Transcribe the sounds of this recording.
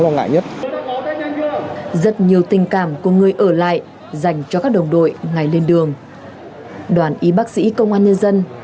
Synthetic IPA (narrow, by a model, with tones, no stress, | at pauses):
lwaː˧ŋa̰ː˧˨jɲə˦˥t̚ | zə˦˥t̚ɲi˨˩əwt̪ï˨˩ŋ̟kaː˧˩mku˧˩əŋɨ˨˩əjʔəː˧˩la̰ː˧˨j | za˨˩jŋ̟t͡ɕɔ˧kaː˦˥k̚ɗə˨˩wŋ͡mɗo̰˧˨jŋa˨˩jle˧nɗɨ˨˩əŋ | ɗwaː˨˩nʔi˨˦ɓaː˦˥k̚sḭ˧˥kə˧wŋ͡mʔaː˧nɲə˧nzə˧n